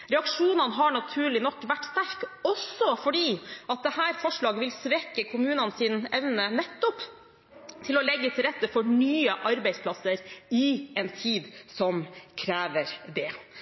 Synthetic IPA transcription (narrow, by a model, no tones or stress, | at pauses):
ɾɛɑkʂuːnɑnəɦɑɳɑt̪ʰʉːɭɪnɔkːʋæʈːst̪æɾkɔsɔfɔɖiːɑt̪̚d̪ɛhæːɾfɔʂɭɑːɡəʋɪlsʋɛkːəkʰʊmʉːnɑnsiːnɛʋnənɛt̪ːɔp | t̪ʰɪlɔlɛɡːət̪ʰɪlɾɛt̪ːəfɔɳyːəʔɑɾbɛɪspʰlɑsəɾɪɛnt̪ʰiːd̪sɔmkʰɾæːʋəɾd̪ɛ